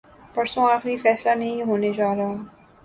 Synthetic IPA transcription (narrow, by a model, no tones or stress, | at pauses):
pɐɾsõaːxɾifɛːslanɐɦĩɦoːned͡ʒaːɾɐɦa